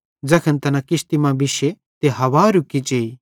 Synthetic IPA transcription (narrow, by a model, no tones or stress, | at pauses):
d͡ʒɐkʰənt̪ɐnãkɪst̪imãbɪʃe | t̪eɦɐʋaːɾʊkːit͡ʃeːi